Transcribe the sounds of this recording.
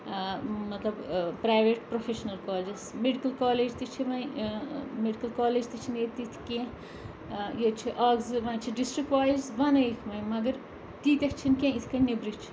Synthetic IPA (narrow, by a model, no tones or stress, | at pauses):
mɐt̪lɐbpɾaːjʋeʈpɾofʰeʃnɐlkɔːld͡ʒesmeɖikɐlkaːleːd͡ʒt̪it͡ʃʰiʋɐj | meɖikɐlkaːleːd͡ʒt̪it͡ʃʰinet̪it̪ʰkẽ | jet͡ʃʰiʔɐɡzʋɐnt͡ʃʰiɖisʈɾikʋaːzʋɐnɐikʰmɐjmɐɡɐɾ | t̪iːt̪ʲekʰt͡ʃʰinkẽit̪ʰkɐnibɾit͡ʃʰi̥